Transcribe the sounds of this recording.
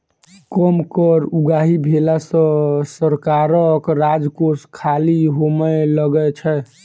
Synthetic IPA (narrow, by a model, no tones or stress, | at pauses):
kɔmkəɾuɡaɦibʱelasə̃səɾkaɾəkɾad͡ʒkoskʰaliɦomɛləɡɛt͡ʃʰɛ